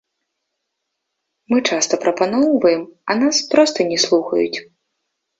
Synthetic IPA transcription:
mɨt͡ʂast̪ɐpɾɐpanɔwvɐjɛmɐnaspɾɔst̪ɐnʲɛslˠuxɐjṵt͡sʲ

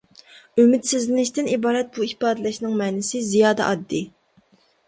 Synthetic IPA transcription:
ymɪt̪sɪzlɪnɪʃt̪ɪnibɑːɾɛt̪̚buihpɑːd̪ɨlɪʃnɪŋmɛːnɪsɪzijɑːd̪ɛ̰ʔɑd̪ːɨ

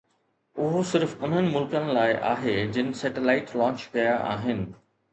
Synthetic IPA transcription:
ʊɦosɪɾfʊn̤ənɪ̆mʊlkənɪ̆laːɪʔa̰ːɦed͡ʑɪnɪ̆sɛːʈelaːɪʈlɔ̃ːt͡ɕkɐjaʔa̰ːɦɪnɪ̆

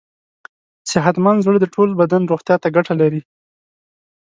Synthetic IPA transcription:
sɪɦat̪mɑnzəɽd̪əʈʰolbad̪anɾoxt̪jɑt̪aɡaʈalaɾi

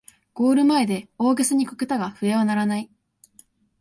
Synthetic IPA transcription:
ɡ̥o̞ːɾɯ̟mae̞d̪e̞o̞ːɡesɨɲ̟ikɯ̥kɯ̟t̪aɡaɸɯ̟eβanaɾanai

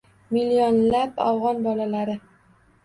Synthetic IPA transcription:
milːionlapa̰wʁɒnbɒlalaɾɪ

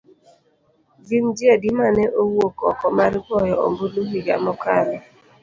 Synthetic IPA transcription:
vind͡ʒiedimanɛʔowokɔ̰kɔmaɾkɔjɔo̰mboduɦiɡa̰mɔkaɾɔ

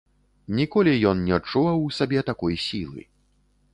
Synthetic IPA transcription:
nʲikɔlʲijɔnnʲɛt͡ʂːuvɐwsʲabʲɛt̪akɔjsʲilˠɨ̰

